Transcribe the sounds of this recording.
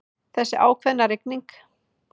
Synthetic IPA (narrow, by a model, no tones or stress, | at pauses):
θɛsːɪʔaːwkʰvɛðnaɾɪkniŋk